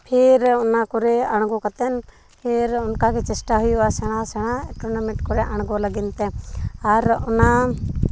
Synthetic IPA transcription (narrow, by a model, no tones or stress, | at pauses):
pʰeɾʊnakɔɾɛaɽ̃ɡɔkat̪ɛn | pʰeɾʊnkakɛt͡ʃɛsʈaɦujuasɛɽ̃asɛɽ̃aɛʈɔnamɪʈkɔɾɛʔaɽ̃ɡɔləɡint̪ɛaɾʊna